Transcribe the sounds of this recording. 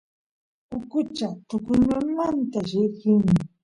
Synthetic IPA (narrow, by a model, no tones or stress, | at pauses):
ʊkʊt͡ʃat̪ʊkʊɲamant̪aɾɪɢɪŋ